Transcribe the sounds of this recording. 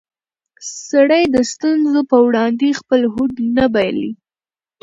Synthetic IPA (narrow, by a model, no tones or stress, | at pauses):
saɽəjd̪əst̪unzopəwɽɑnd̪expəlɦud̪nabajlḭ